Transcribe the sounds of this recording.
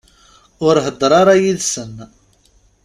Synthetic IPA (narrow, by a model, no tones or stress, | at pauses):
ʊɾɦəd̪ːɾˤɑɾˤajiðsən